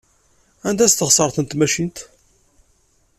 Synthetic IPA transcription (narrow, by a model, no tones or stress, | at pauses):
ænd̪æst̪ːəʁsˤəɾˤθənt̪mæʃint̪